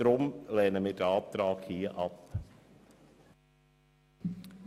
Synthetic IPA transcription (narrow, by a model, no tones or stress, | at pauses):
ɾʊmlɛːnəmiːdəɑːp̚t̪ɾɑːkhiːəʔɑp